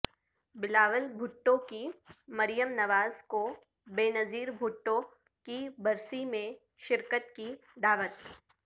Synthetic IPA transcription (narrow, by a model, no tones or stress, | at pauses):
bɪlaːʋəlbʱʊʈːõkimɐɾɪjəmnɐʋaːzko | beːnɐziːɾbʱʊʈːõ | kibɐɾsimẽ | ʃɪɾkət̪ki | d̪aːʋət̪